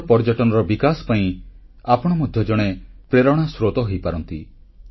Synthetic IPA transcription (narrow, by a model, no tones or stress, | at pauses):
pɔɾd͡ʒɔʈɔnɔɾɔbikasɔ̥paĩ | apɔɽ̃ɔmɔd̪ʱjɔd͡ʒɔɽ̃epɾeɾɔɽ̃asɾot̪ɔɦojpaɾɔnt̪i